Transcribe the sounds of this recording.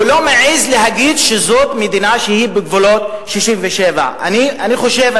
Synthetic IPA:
ulo̞meʕizleɦaɡid̪ʃezot̪med̪inaʃehibeɡvolo̞t̪̚ | ʃiʃimveʃeva̰a̰nianiχo̞ʃev

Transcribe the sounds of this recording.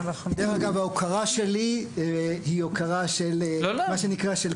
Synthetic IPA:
naχdeχaɡavaokʰaʁaʃe̞li | hiokʰaʁaʃellomaʃenikʁaʃel

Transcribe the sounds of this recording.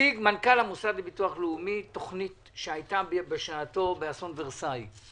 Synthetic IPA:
iɡmankalhamusadlebituaχleumitoχnit | ʃeajtabbeʃaːto̞beasonveʁsaj

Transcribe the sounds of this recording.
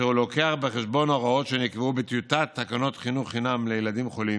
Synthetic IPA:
eulo̞keaχbeχeʃbo̞naʁao̞tʃenikveubet̪jut̪at̪ːakano̞t̪χinuχinamlejelad̪imχo̞li

